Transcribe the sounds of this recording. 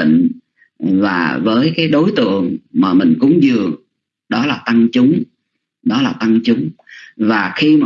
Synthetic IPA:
ḭ˧˨ŋ̟ | vaː˨˩vəː˨˦jkaː˨˦jɗo˨˦jt̪ɨ̰˧˨əŋmaː˨˩mï˨˩ŋ̟kʊ̰˧˥ŋ͡mzɨ˨˩əŋ | ɗɔ˨˦laː˨˩t̪a˧ŋt͡ɕʊ˨˦ŋ͡m | ɗɔ˨˦laː˨˩t̪a˧ŋt͡ɕʊ˨˦ŋ͡mvaː˨˩xi˧m˨

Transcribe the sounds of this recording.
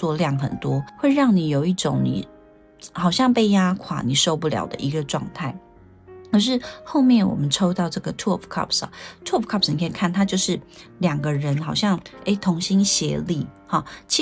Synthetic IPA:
wɔ˥˧ljɑ˥˩ŋxə̰˨˩nt̪wɔ˥xwe˥˧ɪɻɑ˥˩ŋni˨˩jo˨ʊi˥˩ʈ͡ʂʊ̰˨˦ŋnḭ˨˩ | xɑ˨˩ʊɕjɑ˥˧ŋpe˥˩ɪja˥kʰwa̰˨˩ni˨˩ʂo˥˧ʊpu˥˩ljɑ̰˨˩ʊd̪ə̰˨ʔi˧˥ɡə˧ʈ͡ʂwɑ˥˧ŋt̪ʰa˥˩ɪ | kʰʂ̬ɻ̩˥˧xo˥˧ʊmjɛ˥˩nwɔ̰˨˩mə˦nʈ͡ʂʰo˥ʊt̪ɑ˥˧ʊʈ͡ʂɤ˥˩ɡə˩t̪ʰwɔ˥˨pʰkʰɑ̰˥˧˩psɐ̰˩t̪ʰwɔ˥˩pʰkʰɑ˥˩psni˨˩kʰkʰa˥˩nt̪ʰa˥t͡ɕjo˥˧ʊʂɻ̩˥˩ljɑ˨˩ŋɡə˦ɻə˧˦˥nxɑ˨˩ʊɕjɑ˥˩ŋe˧˥ɪt̪ʰo˧˥ŋɕi˥ŋɕjɛ˧˥li˥˨ | xɑ˥˩t͡ɕʰi˧˥

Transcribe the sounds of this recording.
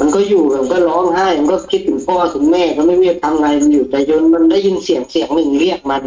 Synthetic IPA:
ma˧nkɔː˥˩juː˨˩ma˧˩˧nkɔː˥˩lɔː˦˥˩ŋhaː˥˩jma˧nkɔː˥˩kʰi˦˥t̪̚ʰːɯ˨˩˦ŋpʰɔː˥˧˩wa˧t̪ʰɯ˩˦ŋmɛː˥˩kaː˧˩ma˥˩jɾi˥˩ə˩k̚t̪ʰa˧mŋaː˧jma˧njuː˨˩t̪ɛː˨˩jo˧nma˧nda˥˩jːi˧nsi˩˦əŋsi˨˩˦əŋnɯ˨˩ŋli˥˩ək̚ma˧n

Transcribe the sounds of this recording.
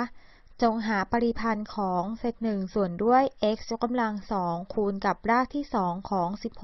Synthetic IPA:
t͡ɕo˧ŋɦaː˩˦pa˧ɾi˧pʰa˧nkʰɔː˩˦ŋse˨˩t̪̚nɯ˨˩ŋsu˨˩əndu˥˩əjʔe˦˥k̚su˦˥kːa˧mla˧ŋsɔː˩˦ŋkʰuː˧nka˨˩p̚ɾaː˥˩k̚t̪ʰiː˥˩sɔː˩˦ŋkʰɔː˩˦ŋsi˨˩p̚h

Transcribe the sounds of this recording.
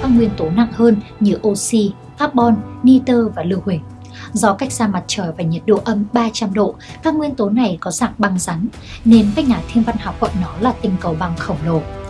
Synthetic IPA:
vaː˧˦ŋwi˧ənt̪o˨˦na̰˧˨ŋhəː˧nɲɨ˨˦ʔo˧si˧ | faː˦˥t̚ɓɔ˧nːi˧t̪əː˧vaː˨˩lɨ˧˩əwhï˨˩˦ŋ̟ | zɔ˧ka˦˥jk̚z̥aː˧ma˨˩t̚t͡ɕəː˧˩jvaː˨˩ɲə˨˩t̚ɗo̰˧˨ʔə˧mɓaː˧t͡ɕa˧mɗo̰˧˨vaː˨˧ŋwi˧ənt̪o˨˦na˨˩jkɔ˨˦zaː˨˩ŋ̚ɓa˧ŋza˨˦n | ne˧nkaː˦˥jk̚ɲaː˨˩t̪ʰi˧ənva˧nha˨˩wk͡p̚hɔ̰˧˨jnɔ˨˦laː˨˩t̪ï˧˩ŋ̟kə˨˩wɓa˧˩ŋxə˧˩wŋ͡mlo˨˩

